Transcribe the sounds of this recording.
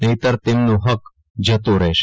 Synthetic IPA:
nəjt̪əɾt̪emnõɦək | d͡ʒət̪õɾɛɦʃ

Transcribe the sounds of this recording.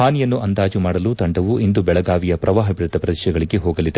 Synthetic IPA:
haːnijɐnːuʔɐnd̪aːd͡ʒumaːɽɐluːt̪ɐɳɖɐʋuʔind̪ubɛɭɐɡaːʋijɐpɾʔɐʋaːɦɐbiɾt̪ːɐpɾɐd̪ɐʃjɐɡɐɭiɡeɦoːɡɐlid̪e

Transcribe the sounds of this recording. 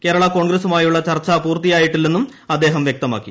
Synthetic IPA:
ke̞ːɾɐɭɐkoːɳɡɾesumaːjuɭːɐt͡ɕɐrt͡ɕːɐpuːrt̪ijaːjiʈːilːenːum | ɐd̪ːe̞ːɦɐmʋjek̚t̪ɐma̰ːkːi

